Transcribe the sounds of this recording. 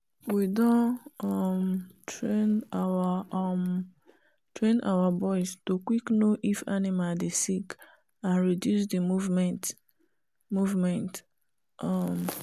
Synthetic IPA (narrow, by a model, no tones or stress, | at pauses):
widɔ̃ɔmtʰɹenawam | tɹẽna̰wabɔɪstokwiknoʔifa̰nimadesik | ãnɹidjus̬dimuvmɛ̃nt | muvmɛ̃nt | ɔm